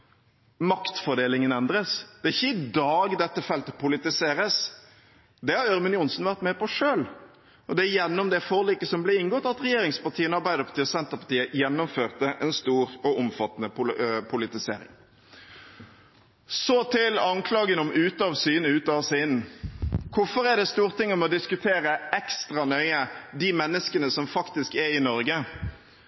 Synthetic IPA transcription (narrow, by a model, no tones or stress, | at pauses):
mɑkt̪fɔʁɖ̪eːlɪŋənɛnd̪ɾəsd̪̥ɛɪçːəɪd̪ɑːɡd̪ɛt̪ːəfɛlt̪pʰʊlɪt̪ɪseːɾəs | d̪ɛhɑɾœɾmənjʊnsən̩ʋæʁt̪mɛpɔʂøːl | ʔɔd̪ɛæjɛnːɔmd̪ɛfoːʁliːkəsɔmblɛɪŋɡɔt̪ːɑt̪ʁɛjeːɾɪŋspɑʁt̪ʰiːənəɑɾbæɪd̪əpʰɑ̥t̪iːɔsɛnt̪əʁpɑʈt̪iːəjɛnːɔmføːʁt̪əʔɛnst̪uːɾɔʔɔmfɑt̪ːənəpʰʊpʰʊlɪt̪ɪsḛːɾɪ̰ŋ | sɔt̪ʰɪlɑŋkʰlɑːɡənɔmʔʉːt̪ɑʋsyːnʉːt̪ɑʋsɪn | kʰʊfɔɾæɖ̪ɛst̪uːʁt̪ʰɪŋːɔmɔd̪ɪskʉt̪ʰeːɾəʔɛkst̪ɾɑnœʏəd̪ɪmɛnːəskənəsɔmfɑkt̪ɪskæɪnɔɾɡə